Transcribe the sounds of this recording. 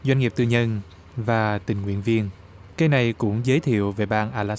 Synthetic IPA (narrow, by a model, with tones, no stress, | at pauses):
zwa˧jŋ̟ŋi˨˩p̚t̪ɨ˧ɲə˧n | vaː˨˩t̪ï˨˩ŋ̟ŋwḭ˧˨ənvi˧ən | ka˧jna˨˩jkʊ̰˧˥ŋ͡mzəː˨˦jt̪ʰḭ˧˨əwve˨˩ɓaː˧nʔaː˧laː˦˥